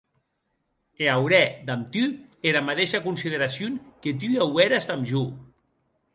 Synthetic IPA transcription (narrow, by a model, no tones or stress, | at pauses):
eawɾɛd̪amt̪yeɾamat̪eʃakunsiðeɾasjoŋket̪̬yawɛɾast̪amʒu